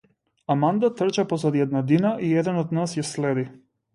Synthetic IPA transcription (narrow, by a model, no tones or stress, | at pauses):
amand̪at̪r̩t͡ʃapɔzad̪iɛd̪nad̪inaʔiɛd̪ɛnɔd̪nasjaslɛd̪i